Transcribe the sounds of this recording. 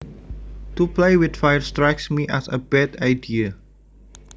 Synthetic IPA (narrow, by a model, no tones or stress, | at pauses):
tuplejwɪtfajəstɹajksmiʔæsə̰bɛdajdiə